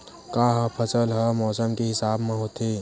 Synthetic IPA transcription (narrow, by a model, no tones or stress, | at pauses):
kaːɦpʰɐsəlɦəmɔːsəmkeɦɪsaːbmẽɦoːt̪eː